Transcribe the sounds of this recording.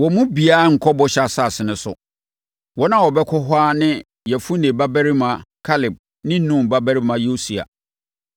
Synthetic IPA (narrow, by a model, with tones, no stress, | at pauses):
wɔ˨mũ˦bi˨aː˦ŋ̩˨kʰɔ˦bɔ˦ɕa˨sa˦˨sɪ˨nʊ̃˨sʊ̰˨ | wɔ˦nã˦wɔ˨bɛ˦kʰɔ˦ɦwa˦nɪ̃˦ | jɛ˨fu˦nẽ˨ba˦bɛ˦ɾi˦mã˨kʰa˦lɪ˨b̚ | nɪ̃˦n̩˦nũ˦m˨ba˦bæ˦ɾi˦mã˨jo˦si˨a̰˨